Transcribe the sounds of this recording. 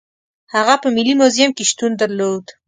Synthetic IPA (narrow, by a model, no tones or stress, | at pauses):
haɣapəmilimozjamkeʃt̪und̪aɾlod̪